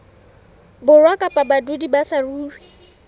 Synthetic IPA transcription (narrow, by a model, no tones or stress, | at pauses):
bʊrwakʼapʼabadudibasaruːwi